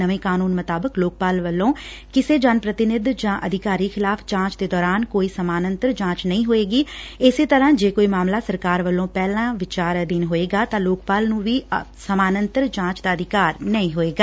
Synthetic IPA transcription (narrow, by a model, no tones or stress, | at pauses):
əʋẽːkaːnuːnmət̪aːbəkloːk̚paːlʋəlːõː | kɪseːd͡ʒaːnpɾət̪ɪnɪd̪d͡ʒãːʔəd̪ʱɪkaːɾiːkʰɪlaːpʰt͡ʃãːt͡ʃd̪eːd̪ɔːɾaːnkoːiːsəmaːnə̃nt̪əɾt͡ʃãːt͡ʃnəĩːɦoːeːɡiːɪseːt̪əɾãːd͡ʒeːkoːiːmaːmlaːsəɾkaːɾʋəlːõːpɛːlãːʋɪt͡ʃaːɾd̪ɪnɦoːeːɡaːt̪ãːloːk̚paːlnũːʋiːsəmaːnənt̪əɾt͡ʃãːt͡ʃd̪aːəd̪ʱɪkaːɾnəĩːɦoːeːɡaː